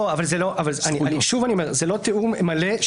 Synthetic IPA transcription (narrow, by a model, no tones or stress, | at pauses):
oavalzeloʔavalzaniaiʃuvaniomeʁzelo̞t̪euʁmale